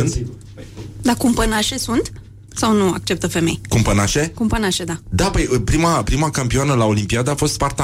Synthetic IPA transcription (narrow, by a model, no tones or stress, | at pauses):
ɨnt̪ | d̪akumpənaʃe̞sunt̪ | sawnua̰k̚t͡ʃe̞p̚t̪əfe̞me̞̰jkumpənaʃe̞kumpənaʃe̞d̪ad̪apəjpɾimapɾimakampioanəlao̞limpiad̪aːfo̞st̪spart̪a